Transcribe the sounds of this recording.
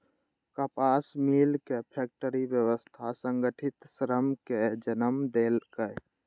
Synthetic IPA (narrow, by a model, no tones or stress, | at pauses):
kəpaːsmilkepʰek̚ʈəɾibjəwəst̪ʰasəŋɡəʈʰɪt̪sɾəmked͡ʒənəmd̪elkəj